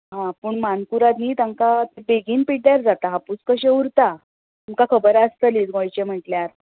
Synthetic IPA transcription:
ɦãpəɳmankuɾat̪niːt̪aŋkat̪ebeɡiːnpiɽjaɾd͡zat̪aɦaput͡skəɕeuɾt̪a | umkakʰəbəɾəst̪əliːd͡zɡõjt͡ɕem̤əʈljaɾ

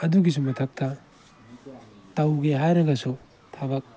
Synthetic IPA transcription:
ɐduɡis̬umɐtʰɐk̚tʰɐ | tɐwɡeɦajɾɐɡɐsu | tʰabɐk̚

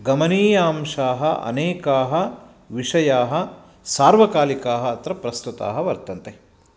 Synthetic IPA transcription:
ɡɐmɐniːjaːmʂaːɦɐʔɐ̰neːkaːɦɐ | ʋiʂɐjaːɦɐ̆ | saːɾʋɐkaːlikaːɦɐɐt̪ɾɐpɾɐst̪ut̪a̰ːɦɐʋɐɾt̪ɐnt̪e

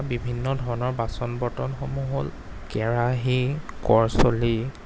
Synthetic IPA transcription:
bibʱinːɔdʱɔɹɔnɔɹbasɔnbɔtɔnxomuɦol | kɛɹaɦikɔɹsoli

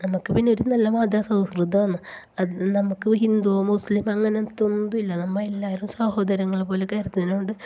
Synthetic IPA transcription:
nɐmukːɨpinːeo̞ɾunɐlːɐmaːd̪jaːsɐ̃w̃skrɨd̪ʱːɐʋɐnːɨ | ɐnɐmukːɨɦind̪uɐmuslimɐŋːɐnet̪ːond̪uilːɐnɐmːɐelːaːɾumsɐho̞ːd̪ɐɾɐŋːɐɭepːoːle̞kɐjɾɐt̪ːuinɐuɳɖɨ

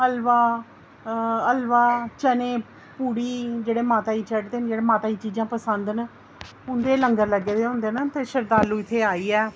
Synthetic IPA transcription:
əlʋaː | əlʋaːt͡ʃəneː | puːɽiːd͡ʒeːɽeːmaːt̪aːiːt͡ʃəʈd̪eːnd͡ʒeːɽeːmaːt̪aːiːt͡ʃiːd͡ʒãːpəsənd̪n | ʊnd̪eːləŋɡəɾləɡeːd̪eːɦʊ̃nd̪eːnət̪eːʃəɾd̪aːlũːɪt̪ʰːeːaːiːɛː

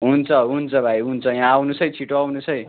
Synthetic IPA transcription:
ɦunt͡sʰʌɦunt͡sʰʌbʱajɦunt͡sʰʌjawnusʌjt͡sʰiʈoawnusʌj

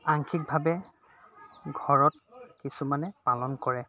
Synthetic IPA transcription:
aŋkʰik̚bʱabɛ | ɡʱɔɹɔt̚ | kisumanɛpalɔnkɔɹɛ

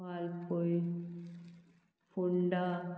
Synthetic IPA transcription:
aːlpoj | puɳɖa

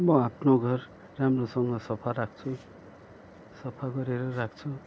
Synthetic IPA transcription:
bʌapʰnoɡʱʌr | ramrosʌŋɡʌsʌpʰaɾakʰt͡sʰu | sʌpʰaɡʌɾeɾʌɾakʰt͡sʰu

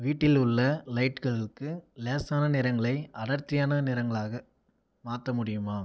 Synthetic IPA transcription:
ʋiːʈːɪlʊɭːɐlɐɪʈkɐɭɪkːɯleːsaːnɐnɪɾɐŋɡɐɭɐɪɐɽɐɾt̪ːɪjaːnɐnɪɾɐŋɡɐɭaːɣɐ | maːt̪ːɐmʊɽɪjɯmaː

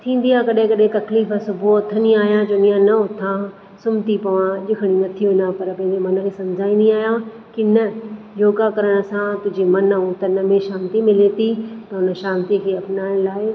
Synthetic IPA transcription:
t̪ʰĩːn̆d̪ijakɐɗɦɪ̃kɐɗɦẽt̪ɐkliːfəsʊbʱuʊt̪ʰəniaːɦijãd͡ʑoːnijãnɐʊt̪ʰã | sʊmt̪ipɐʋãʄɪkʰəɽ̃inɐt̪ʰiũnapɐɾpɐ̃ɦɪ̃ɲd͡ʑemɐnə̆kʰeːsɐmd͡ʑʱaːĩnd̪ĩaːɦijã | kɪnɐ | joːɡakɐɾəɽ̃ə̆sãt̪ʊɦd͡ʑimɐnəɦũt̪ɐnəmẽʃãːnt̪imɪlet̪it̪ɐʊnə̆ʃãːnt̪ikʰeːɐpnaːɪɽ̃laːɪ

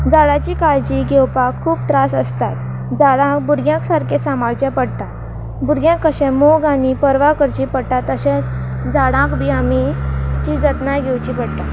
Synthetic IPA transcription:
d͡zaɽat͡ɕiːkajt͡ɕiɡʱewpakʰuːpt̪ɾasəst̪at̪ | d͡zaɽãkbuɾɡjãksaɾkʰesamaɭt͡ɕjãpəɽʈ̪a | buɾɡjãkːəɕɛ̃moɡanipəɾʋakəɾt͡ɕipəɽʈ̪at̪əɕẽt͡sd͡zaɽãkbʱiamit͡ɕid͡zət̪najɡʱewt͡ɕipəɽʈ̪a

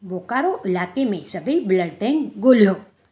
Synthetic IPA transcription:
boːkaːɾoʔɪlaːkemẽsɐbəibləɖʈɛ̃ːŋɡɡoːljoː

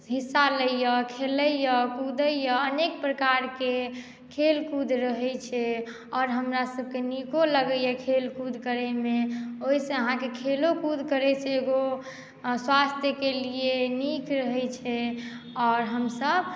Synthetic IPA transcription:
ɦisːaləjjəkʰeləjjəkud̪ʱəjjəənekpɾəkaɾke | kʰelkud̪ʱɾəɦɛjt͡ʃʰɛ | ɔːɾɦəmɾasəb̚kenikoləɡəjjəkʰelkud̪ʱkəɾɛmeoisə̃əɦãkekʰelokud̪ʱkəɾɛt͡ʃʰɛːɡo | swast̪ʰjəkelienikɾəɦɛt͡ʃʰɛ | ɔːɾɦəmsəb

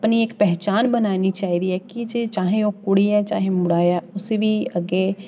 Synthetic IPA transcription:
pniekpɛɦt͡ʃaːnbənaːnit͡ʃaːiːd̪iɦɛːkid͡ʒeːt͡ʃaːɦẽoːkʊɽiɛːt͡ʃa̰ːɦẽmʊɽaːjɛːʊseʋiːəɡeː

